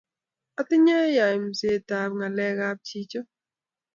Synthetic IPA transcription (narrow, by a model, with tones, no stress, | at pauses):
a˦tɪ˦ɲa˦ja˨jm̩˨se˨ta˨b̚ŋa˨lɛ˦ɣa˦p̚t͡ʃi˦t͡ʃo˦